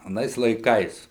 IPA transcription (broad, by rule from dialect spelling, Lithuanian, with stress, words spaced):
ɐˈnɐɪs lˠɐɪˈkɐɪs